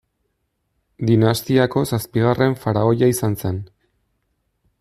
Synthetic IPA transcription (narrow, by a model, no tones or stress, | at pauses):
d̪inast̪iako̞saspiɣ̞arʔe̞ɱfaɾao̞jaisanse̞n